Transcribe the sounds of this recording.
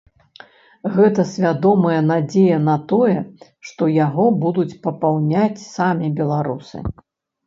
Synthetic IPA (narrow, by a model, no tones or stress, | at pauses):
ɣɛt̪ɐsʲvʲad̪ɔmɐjɐnad͡zʲejɐnɐt̪ɔjɛ | ʂt̪ɔjaɣɔbud̪ut͡sʲpɐpawnʲat͡sʲsamʲibʲɛlˠaɾusɨ̰